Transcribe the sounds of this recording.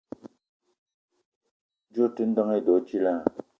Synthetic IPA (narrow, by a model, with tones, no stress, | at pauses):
d͡ʑo˥˨ʈ͡ʂə˥nd̪a˨ŋe˨d̪o˨t͡ɕʰi˥la˨